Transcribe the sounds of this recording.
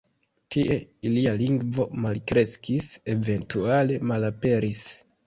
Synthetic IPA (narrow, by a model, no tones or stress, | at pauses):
tiʔe̞ilialiŋɡvo̞malkɾe̞skise̞ve̞ntuale̞malape̞ɾis